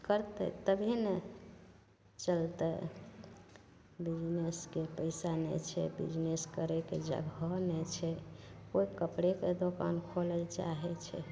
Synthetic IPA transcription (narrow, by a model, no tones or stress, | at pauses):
kəɾt̪ə̰t̪əbʱine | t͡ʃəlt̪ə | bid͡ʒneskepəɪsanɛ̰t͡ʃʰɛ̰bḭd͡ʒneskəɾeked͡ʒə̰ɡʱɔnɛt͡ʃʰɛkoibkəpɽeked̪oka̰nkʰolɛt͡ʃa̰ɦɛt͡ʃʰɛ̰